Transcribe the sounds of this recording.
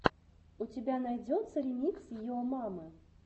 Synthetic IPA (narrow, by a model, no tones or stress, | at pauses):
ut͡sʲabʲanajd͡zʲɔt̪sːɐlʲimʲit͡sʲsʲjiɔmamɨ